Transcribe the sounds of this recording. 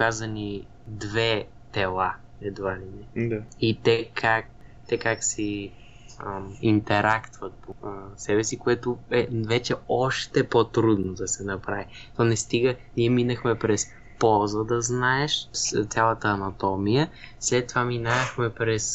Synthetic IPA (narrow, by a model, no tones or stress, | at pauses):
kazəni | d̪vɛ | t̪ɛlˠa | ɛd̪valinɛd̪ait̪ɛkʰak̚t̪ɛkaksi | int̪ɛɾakt̪vɐt̪̚posɛbɛsikoɛt̪ʊɛvɛt͡ʃɛɔʃt̪ɛpot̪ɾud̪nod̪ɐsɛnɐpɾavit̪ɔnɛst̪iɡəniɛminəxmɛpɾɛs | pɔlˠzəd̪ɐznaɛʃt̪sʲalˠət̪əːnɐt̪ɔmijə | slɛt̪ːovaminaxmɛpɾɛs